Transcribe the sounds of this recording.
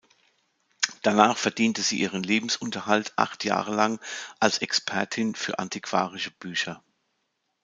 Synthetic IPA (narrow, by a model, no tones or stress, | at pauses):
d̥anaːχfɛɐdiːntəziːʔiːʁ̞ənleːbm̩sʊntɐhaltʰʔa̰χtʰja̰ːʁəlaŋʔalsɛkspʰɛɐtʰɪnfyːɐʔa̰ntʰikv̥a̰ːʁɪʃəb̥yːçɐ